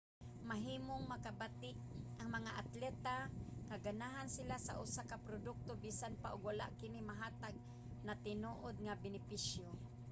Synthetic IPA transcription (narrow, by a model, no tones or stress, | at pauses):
maɦiːmoŋmɐkabat̪ɪʔʔaŋmɐŋaʔat̪lɛt̪aŋaɡanaɦansɪlasaʔʊsakapɾod̪ʊk̚t̪obisanpaʔʊɡwala̰ʔkɪnimaɦaːt̪aɡ̚ | nat̪ɪnuʔod̪̚ŋabɪnɪpiʃjo